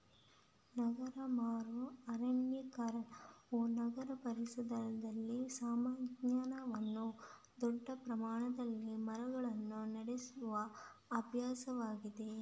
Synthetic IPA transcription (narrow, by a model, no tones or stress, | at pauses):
nɐɡɐɾɐmaːɾɐɐɾɐnjɐkɐɾɐoːnɐɡɐɾɐpɐɾiʃud̪ɐnɐd̪ɐlːisaːmaːɡɲaːnɐʋɐnːu | d̪ɔɖːɐpɾɐmaːɳɐd̪ɐlːimɐɾɐɡɐɭɐnːunɐɽesuʋɐː | bʱjaːsɐʋaːɡid̪e̞